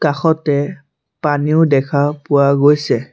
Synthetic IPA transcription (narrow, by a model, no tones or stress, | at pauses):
kaxɔtɛ | paniʊdɛkʰapʊwaɡojsɛ